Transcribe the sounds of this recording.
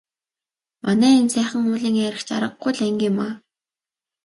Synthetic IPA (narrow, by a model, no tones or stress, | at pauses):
manæːensæːχə̆ŋʊːɮiːŋæɾɘ̆xt͡ɕa̰ɾə̆qːujɮæŋɡʲima